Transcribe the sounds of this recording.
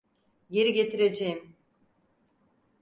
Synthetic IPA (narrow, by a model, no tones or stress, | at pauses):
je̞ɾiɟe̞t̪ʰiɾe̞d͡ʒejim